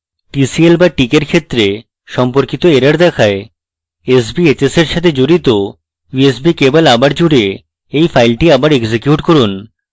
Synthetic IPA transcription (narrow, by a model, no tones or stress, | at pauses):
ʈisielbaʈikeɾkʰet̪ːɾe | ʃɔmpoɾkit̪oeɾaɾd̪ɛkʰae | es̬biet͡ɕeseɾʃat̪ʰed͡ʑoɾit̪o | bies̬bikebalabaɾd͡ʑuɽe | ejfʰajlʈiabaɾeɡd͡ʑekjuʈkoɾun